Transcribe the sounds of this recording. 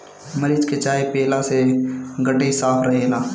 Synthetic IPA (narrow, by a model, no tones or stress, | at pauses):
məɾiːd͡ʒket͡ʃaːepeːlaseɡəɖːeisaːpʰɾɐɦeːlaː